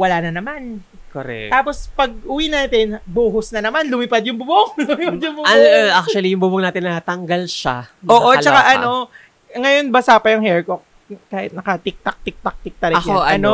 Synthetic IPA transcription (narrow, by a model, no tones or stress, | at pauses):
wɐlaːnɐnɐman | koɾɛ̰kt̪aːpo̞spɐɡ̚ʔʊwinaːt̪ɛnboːɦʊsnɐnɐmanlʊmɪpad̪̚jʊŋbʊboŋlʊmpad̪jʊŋbʊʔak̚tuɐlijʊŋbʊbʊŋnaːt̪ɪnɐhɐt̪ːɐŋɡalʃa̰ʔoːʔolt͡ʃɐkaʔɐno̞ | ŋɐjo̞nbɐsaːpɐjɐŋhɛɹkok̚ | kaːhɪt̪̚nɐkɐt̪ɪk̚t̪ɐk̚t̪ɪk̚t̪ɐk̚t̪ɪk̚t̪ɐɾɐjoɐɐno